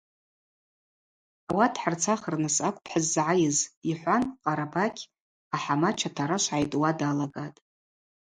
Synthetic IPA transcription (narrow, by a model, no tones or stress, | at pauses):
awatʰħart͡sʰaχərnɨsakʷʼpʰħazːʕajɪziħʷanqʼaɾabakʲʰ | aħamat͡ʃʰatʰaɾaʃʷʕajtʼwadalaɡatʼ